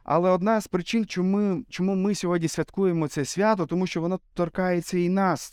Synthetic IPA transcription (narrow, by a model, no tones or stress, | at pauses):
ɐ̰lˠɛɔd̪nɑspɾɪt͡ʃɪnt͡ʃɔmɪt͡ʃɔmumɪsʲɔɦɔdʲnʲisʲʋʲɐt̪kujemɔt̪sɛsʲʋʲat̪ɔt̪ɔmuʃt͡ʃɔʋɔnɔt̪ɔrkɑjet͡sʲːɐinɑs